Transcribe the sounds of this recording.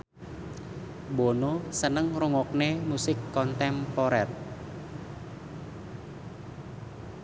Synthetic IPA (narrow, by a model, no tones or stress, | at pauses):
bonosənəŋruŋɔk̚nemusɪkːɔnt̪ɛmpoɾɛt̪̚